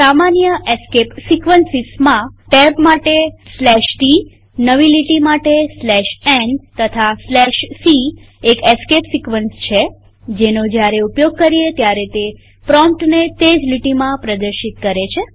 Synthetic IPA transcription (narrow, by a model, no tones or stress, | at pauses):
samanjəeskepsikʋənsismãʈɛbmaʈeslɛʃʈi | nəʋiliʈimaʈeslɛʃɛnt̪ət̪ʰaslɛʃsi | ekeskepsikʋənst͡ʃʰe | d͡ʒenod͡ʒjaɾeupjoɡ̚kəɾiet̪jaɾet̪e | pɾɔmp̚ʈnet̪ed͡ʒliʈimãpɾəd̪əɾʃit̪̚kəɾet͡ʃʰe